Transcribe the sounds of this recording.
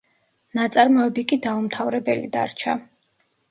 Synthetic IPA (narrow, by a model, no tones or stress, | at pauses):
nat̪sʼaɾmɔɛbikʼid̪aumt̪ʰavɾɛbɛlḭd̪a̰ɾt͡ʃʰa̰